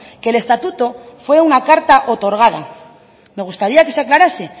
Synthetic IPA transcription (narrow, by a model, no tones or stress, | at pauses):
ke̞ːle̞st̪at̪ut̪o̞fwe̞unakaɾt̪aʔo̞t̪o̞ɾɣ̞að̞a | me̞ɣ̞ust̪aɾiake̞seaklaɾase